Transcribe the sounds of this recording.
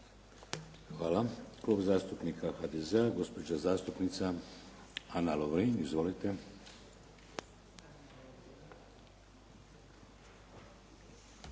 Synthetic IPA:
xʋaːlaklˠobzaːst̪upnikʰaxad̪ezeaɡo̞spod͡ʒazaːst̪upnit̪sa | analoʋɾinizʋolit̪e

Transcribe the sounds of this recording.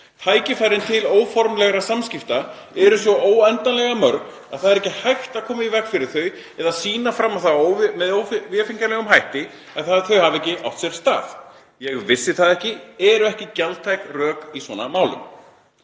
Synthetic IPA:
t̪ʰaːjcɪfajɾɪnt̪ʰɪloːwfɔɾmlɛɣɾasamscɪft̪a | ɛɾʏsvɔʔoːwɛnt̪anlɛɣamœɾkn | aðθaðɛɾɛhcɪhajxt̪aðkʰɔːmaivɛkfɪɾɪ̥θœɥ | ɛðasiːnafɾamːaθaowvmɛðoːwfvɛfiɲcalɛɣʏmɦajht̪ɪ | ɛðθaðθœɥhavɛcːɪʔa̰wht̪sjɛɾ̥st̪a̰ːθ | jɛɣvɪsːɪθaðɛhcɪɛɾʏɛhcɪcalt̪ʰajkrœːkiswɔna̰maːwlʏ̰m

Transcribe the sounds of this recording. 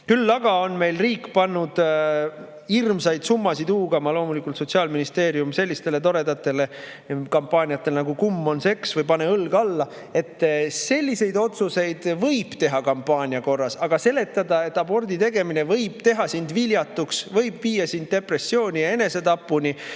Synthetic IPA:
kylːɑɡ̥ɑo̞nme̞jlriːkːpɑnːud̪̥ | irmsɑjd̪̥sumːɑsid̪uːɡ̥ɑmɑlo̞ːmulikːˑult̪so̞t̪ʲsiɑːlminist̪e̞ːɾiumse̞lʲːist̪e̞le̞t̪̬o̞ɾe̞d̪ɑt̪ːˑe̞le̞ | kɑmpˑɑːnʲiɑt̪ːˑe̞lnɑɡukumːo̞nse̞ksvɤjpɑne̞ɤlɡ̥ɑlːɑ | e̞t̪ːse̞lʲːise̞jd̪o̞t̪suse̞jd̪̥vɤjb̥t̪e̞ɦɑkɑmpːɑːnʲiɑko̞rːɑsɑɡ̥ɑse̞le̞t̪ˑːɑd̪ɑe̞t̪ːˑɑbo̞rd̪it̪e̞ɡe̞mine̞vɤ̞jb̥t̪e̞ɦɑsind̪viljɑt̪ːˑuksvɤjbviːjɑsind̪̚ːe̞pre̞sːio̞ːnʲijɑe̞ne̞se̞t̪ɑpːˑuni

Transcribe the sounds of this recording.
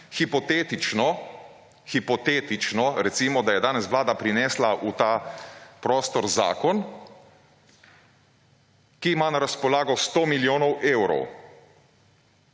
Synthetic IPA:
xipɔt̪eːt̪it͡ʃnɔ | xipɔt̪eːt̪it͡ʃnɔɾɛt̪simɔd̪ajɛd̪aːnɛsʋlaːd̪apɾinɛːslaʔut̪aːpɾɔːst̪ɔɾza̰ːkɔn | kiːmaːnaɾaspɔlaːɡɔst̪oːmiljoːnɔweːwɾɔ̰w

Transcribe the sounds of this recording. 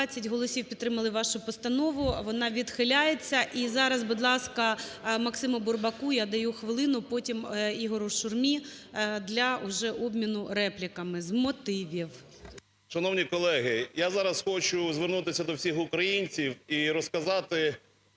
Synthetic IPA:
at͡sʲːɐtʲɦɔlˠɔsʲiwpʲt̪t̪ːɾɪmɐlˠɪʋɑʃʊpɔst̪ɐnɔʋʊʋɔnɑʋʲid̪xɪlʲajet͡sʲːɐʔizɑɾɐzbʊd̪lˠɑskɐmɐksɪmʊbʊrbɐkujad̪ɐjuxʋɪlˠɪnʊpɔtʲimiɦɔɾʊʃʊrmʲid̪lʲɐʊʒɛʔɔbmʲinʊɾɛplʲɪkɐmɪzmɔt̪ɪʋʲiw | ʃɐnɔwnʲikɔlˠɛɦɪjazɑɾɐsxɔt͡ʃʊzʋɪrnut̪ɪsʲɐd̪ɔwsʲixʊkɾɐjinʲt͡sʲiwiɾɔskɐzɑt̪ɪ

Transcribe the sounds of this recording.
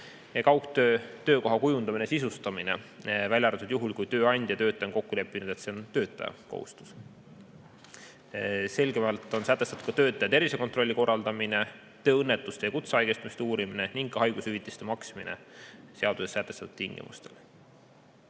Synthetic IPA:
jɑkɑwkt̪øːt̪ø̞ːko̞ɦɑkujund̪ɑminesisust̪ɑmine̞̰vælʲjɑɾet̪ːˑud̪̥juɦulkujt̪ø̞ːɑnʲd̪jɑt̪ø̞ːt̪ːˑɑjonko̞kːule̞pːˑinud̪̥e̞t̪se̞o̞nt̪ø̞ːt̪ːˑɑ̰jɑ̰ko̰hṵst̪u̥s | se̞lɡe̞mɑlt̪ːˑo̞nsæt̪ːˑest̪ɑt̪u̥t̪kɑ̥t̪øːt̪ːˑɑjɑt̪e̞rvise̞ko̞nt̪ro̞lʲːiko̞rːɑld̪ɑmine̞ | t̪ø̞ːɤnːe̞t̪ːˑust̪ejɑkut̪seɑjɡest̪umist̪euːɾimine̞niŋɡ̥kɑhɑjɡ̥ushyvit̪ˑːist̪emɑksiminḛse̞ɑd̪use̞sːæt̪ːˑest̪ɑt̪ud̪t̪iŋɡ̥ḭmṵst̪e̞̰l

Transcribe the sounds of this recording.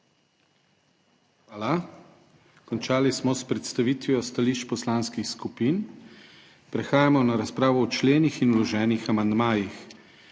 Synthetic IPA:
xʋaːla | kɔnt͡ʃaːlismɔspɾɛt̪st̪aʋiːt̪ʋjɔst̪aliʃt͡ʃpɔslanskixskupiːn | pɾɛxaːjamɔnaɾaspɾaːʋɔːt͡ʃleːnixinulɔʒɛːnixamand̪maːjix

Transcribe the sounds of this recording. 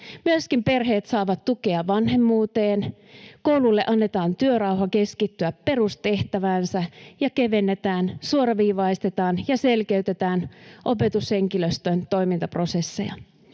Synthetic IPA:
myøskimpe̞rɦeːt̪sɑːʋɑt̪tukeɑʋɑnɦe̞mːuːt̪eːn | kowlulːeʔɑnːe̞t̪ɑːnt̪yørɑwɦɑke̞skit̪ːyæppe̞rust̪e̞ht̪æʋæːnsæjɑke̞ʋe̞nːet̪æːnsuoɾɑʋiːʋɑist̪e̞t̪ɑːnjɑselkeyt̪e̞t̪æːnʔope̞t̪ushe̞ŋkiløst̪ønt̪o̞jmint̪ɑpro̞sesːḛjɑ̰

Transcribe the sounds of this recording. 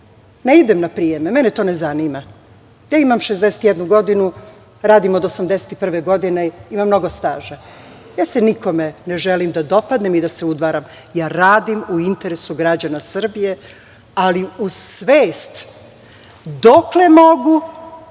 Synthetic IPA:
neid̪emnapɾijememɛnet̪onezanima | jaːimamʃezd̪eset̪jɛd̪nuɡo̞d̪inu | ɾaːd̪imod̪o̞samd̪ese̥t̪ipr̩ʋeɡo̞d̪ineimamːno̞ɡost̪aːʒa | jaːseniko̞meneʒelimd̪ad̪o̞pad̪nemid̪ase̞ud̪ʋaːɾam | jaːɾaːd̪imuint̪eɾesuɡɾad͡ʑanasr̩bije̞ | aliusʋeːst̪ | d̪okle̞moɡu

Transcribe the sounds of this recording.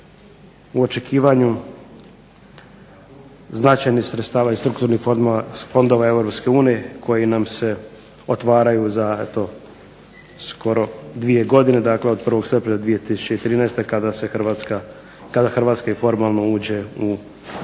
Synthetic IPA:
uot͡ʃe̞kʰiːʋaɲu | znat͡ʃajnixsɾet̪st̪aːʋaist̪ɾukt̪uɾnifo̞nd̪oʋae̞vɾopske̞uːnije̞kʰo̞jinamse̞ | ot̪ʋaːɾajuzaḛt̪o̞ | skʰo̞ɾo̞d̪ʋije̞ɡo̞d̪ine̞d̪akleo̞d̪̚pr̩ʋo̞ɡsep̪emlad̪ʋije̞t̪isu̥t͡ɕeit̪ɾiːnajst̪ekad̪aseaka | kad̪axrʋaːt̪skaifo̞ɾmalˠno̞uːd͡ʑe̞u

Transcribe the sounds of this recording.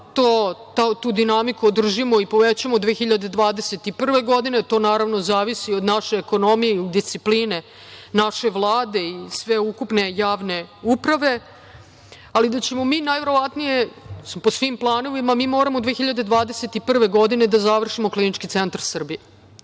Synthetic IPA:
t̪oːt̪at̪ud̪inamikuod̪r̩ʒimoipo̞ʋet͡ɕamod̪ʋexiʎad̪ed̪ʋaːd̪ese̞t̪ipr̩ʋe̞ɡod̪inet̪o̞ːnaːɾaʋnozaːʋisiod̪naʃeːko̞no̞mijeiod̪ːist̪sipline̞ | naʃe̞ʋlˠaːd̪e̞isʋe̞ukupne̞jaːʋne̞upɾaʋe̞ | alid̪at͡ɕe̞mo̞miːnajʋe̞ɾo̞ʋat̪nije̞sposʋimplˠaːno̞ʋimamiːmo̞ːɾamod̪ʋexiʎad̪e̞d̪ʋaːd̪eset̪ipr̩ʋe̞ɡod̪ine̞d̪azaʋr̩ʃimoklinit͡ʃkit̪sent̪aɾsr̩bije

